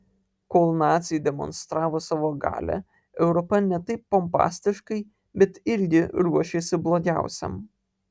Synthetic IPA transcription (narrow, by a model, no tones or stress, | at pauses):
koːlˠnɑːt̪sʲɪjd̪ʲɛmɔ̰nst̪ɾɑːʋoːsɑːʋoːɡɑ̰ːlʲæ̰ | ɛʊɾɔpɐnʲɛt̪ɐɪpːɔmpɑ̰ːsʲt̪ʲɪʃkɐɪ | bʲɛt̪ɪɾʲɡʲɪɾuɔʃʲeːsʲɪblˠoːɡʲæˑʊsʲɛ̰m